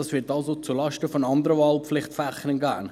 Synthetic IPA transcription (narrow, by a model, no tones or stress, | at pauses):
ɑsʋɪːtɑlsot͡sulɑʃtəfɔnɑnd̪əɾəvɑlpflɪχtfæχənənɡæ̰ːn